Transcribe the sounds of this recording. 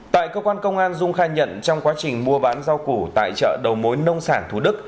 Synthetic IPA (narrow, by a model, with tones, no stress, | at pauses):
t̪a̰ː˧˨jkəː˧kwaː˧nkə˧wŋ͡mʔaː˧nzʊ˧ŋ͡mxaː˧ɲə̰˧˨nt͡ɕɔ˧wŋ͡mkwaː˨˦t͡ɕï˨˩ŋ̟mu˧əɓaː˨˦nza˧wku˧˩t̪a̰ː˧˨jt͡ɕə̰ː˧˨ɗə˨˩wmo˨˦jnə˧wŋ͡msaː˧˩nt̪ʰu˧˩ɗɨ˦˥k̚